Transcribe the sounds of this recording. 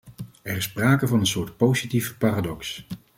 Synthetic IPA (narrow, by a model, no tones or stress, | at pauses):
ɛrɪspraːkəvɑnənsʊːɹtpowzitifpaːraːdɔks